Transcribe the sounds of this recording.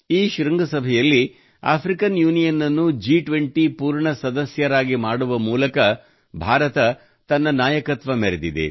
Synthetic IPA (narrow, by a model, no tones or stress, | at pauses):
iːʃɾɐŋɡɐsɐbʱɛjɐlːi | a̰ːpʰɾikɐnjuːnijɐnːɐnːud͡ʒiːʈʋeɳʈipuːɾɳɐsɐd̪ɐsjɐɾaːɡimaːɽuʋɐmuːlɐkɐ | bʱaːɾɐt̪ɐ | t̪ɐnːɐnaːjɐkɐt̪ʋɐmeɾed̪id̪ḛ